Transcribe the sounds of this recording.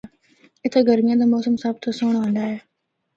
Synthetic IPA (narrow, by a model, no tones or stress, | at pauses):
ɪt̪ʰaːɡəɾmɪjãːd̪aːmoːsəmsaːbt̪ʰosoːɽ̃ɦə̃nd̪aːɦeː